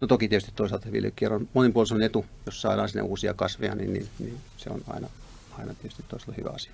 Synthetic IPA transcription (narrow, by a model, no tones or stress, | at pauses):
not̪okit̪iet̪yst̪it̪t̪oisɑlt̪ɑseʋḭlːekkːierɑnmonempuolsemonet̪ujossɑiɾɑːnsinːḛuːsiɑkɑsʋeɑnḭnnḭnninsḛo̰nɑ̰inɑ | ɑinɑt̪iet̪yst̪it̪toˑisɑlɑhyʋæ̰ɑsi̥ɑ̥